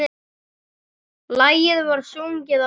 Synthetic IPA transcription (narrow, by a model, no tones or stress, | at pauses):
laːjɪðvaɾ̥sowɲcɪða